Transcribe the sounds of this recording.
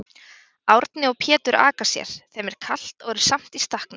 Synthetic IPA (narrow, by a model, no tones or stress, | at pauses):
awɾt̪nɪɔɣpʰɛːt̪ʏɾa̰ːkḁsjɛ̰ɾ̥θɛmɛɾ̥kʰal̥t̪ɔɣɛɾ̥sam̥t̪ist̪ahknʏ